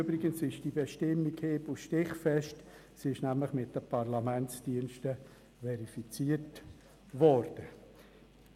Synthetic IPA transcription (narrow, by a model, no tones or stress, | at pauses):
øbɾɪɡənsɪʃd̥ibɛʃtɪmːikheːbuʃtɪχfɛʃt | sɪʃnæmləχmɪt̚d̥əpʰɑɾlamɛntt͡sd̥iənʃtə | vɛɾifit͡siːət | vɔɾd̥ə